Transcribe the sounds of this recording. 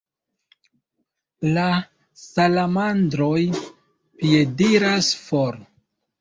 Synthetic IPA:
la | salamandɾoj | pie̞diɾasfoɾ

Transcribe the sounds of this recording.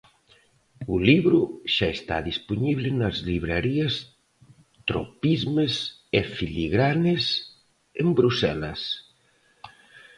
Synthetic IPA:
ʊliβɾʊʃaest̪a̰ðisponiβlɪnɐzliβɾaɾiɐs | t̪ɾo̰pizmes | efiliɣɾanɪs | embɾusɛlɐs

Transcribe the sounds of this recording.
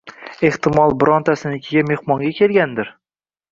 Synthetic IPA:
e̞ht̪ɪmɒlˠbʊɾɒnt̪ʰasɪnɪkʲʰɪɡʲame̞hmɒŋɡʲakʲʰe̞lɡʲand̪ɪɾ

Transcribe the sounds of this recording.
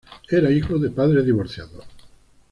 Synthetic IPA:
eɾaixoðepaðɾeðiβoɾθja̰ðo

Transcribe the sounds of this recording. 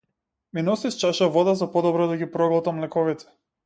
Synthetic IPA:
minɔsist͡ʃaʃavɔd̪azapɔd̪ɔbɾɔd̪aɡipɾɔɡlˠt̪amlɛkɔvit̪ʰɛ̥

